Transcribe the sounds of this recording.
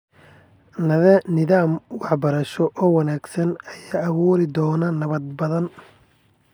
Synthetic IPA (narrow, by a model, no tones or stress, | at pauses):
nɐðɛnɪðaːmwɑħbɐɾɐʃɔʔɔːwɐnaːɡsɐnɐjaːɐβuːɾɪd̪ɔːnɐnɐβɐd̪̚bɐðɐn